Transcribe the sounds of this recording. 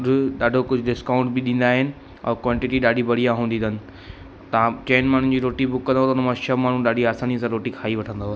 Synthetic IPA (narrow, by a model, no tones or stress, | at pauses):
ʊɗaːɖʱokʊd͡ʑʱʊɖɪskaːʊ̃ɳʈbɪɗĩːnd̪aːɦɪnɪ̆ | ɔ̰ːkwãːɳʈɪʈiɗaːɖʱibɐɽ̤ijaɦũːnd̪iːnənɪ̆ | t̪ɐʋãt͡ɕeːnmaːɳ̤ʊ̃nd͡ʑiːɾoːʈibʊkːɐ̃nd̪oːt̪ɐʊnəmãʃəmaːɳ̤ũɗaːɖʱiaːsaːnisãɾoːʈikʰaːiʋɐʈʰə̃nd̪o